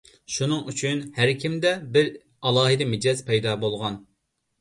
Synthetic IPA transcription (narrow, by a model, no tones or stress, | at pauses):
ʃunɨŋyt͡ʃʰynhæɾkʲimd̪ɛbɪɾ | ɑlˠɑːɦɪd̪ɛmɪd͡ʒɑzpʰɛjd̪ɑːbolˠʁɑn